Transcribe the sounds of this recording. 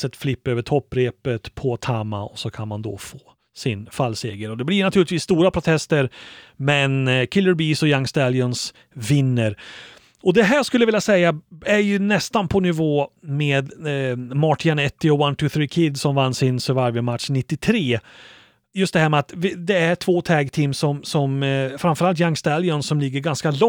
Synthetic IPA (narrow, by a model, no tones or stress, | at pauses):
sɛt̪flɪpːøːvəʈʰɔpːɾeːpət̪pʰɔt̪ʰaːma̰ɔ̰sɔkʰanmand̪ɔ̰foː | sɪnfalseːɡəɾɔd̪ɛblɪɳat̪ʰʉːlɪt̪viːst̪uːɾapʰɾʊt̪ʰɛst̪əɾmɛnkʰɪlːəɾbiːsɔjaŋst̪aljɔns | vɪnːəɾ | ɔd̪ɛɦæːɾjɑskɵlːəvɪlːjasɛjːaæɾjɵnɛst̪anpʰɔnɪvoːmeːd̪mɑʈʰɪanɛt̪ːɪɔwant̪ʰʊθɾiːkʰɪd̪sɔmvanːsɪnsœvaɾvəmat̪ʂnɪt̪ːɪt̪ʰɾeː | jɵst̪d̪ɛhæːɾmɛat̪vɪd̪ɛæʈʰvoːt̪ʰɛːɡt̪ʰiːmsɔmsɔmfɾanfœɾalt̪̬jaŋst̪ɛljɔnsɔmlɪɡːəɾɡanskalɔ